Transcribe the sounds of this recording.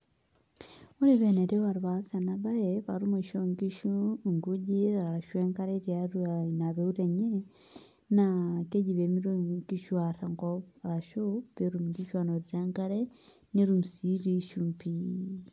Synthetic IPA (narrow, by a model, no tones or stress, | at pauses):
uɾiβeneɾiβaɾuβasanaβajeβaɾumiʃoŋɡiʃuŋɡuɟiaɾaʃweŋɡaɾeɾjaɾunaβeuɾeɲe | nakeɟiβemiɾoɡiʃwaɾaŋɡoɾaʃuβeɾumɡiʃwanoɾiɾaŋɡaɾe | niɾumusiɾiʃumpi